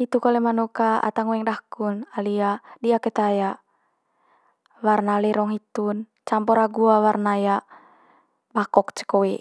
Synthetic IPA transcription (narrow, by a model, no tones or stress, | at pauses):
it̪ukɔlɛmanukaa̰t̪aŋuɛŋdakunaliadiakɛt̪aja | warnalɛɾɔŋɦit̪un | t͡ʃampɔɾaɡuawarnaja | bakɔkt͡ʃə̥kɔwɛ